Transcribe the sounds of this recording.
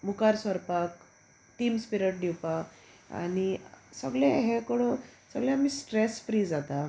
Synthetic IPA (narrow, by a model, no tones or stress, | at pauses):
mukaɾsəɾpak | ʈimspiɾəʈ̚ɖiwpa | a̰nisəɡleɦɛ̃koɽ̃õsəɡljãmiːsʈɾesfɾiːd͡zat̪a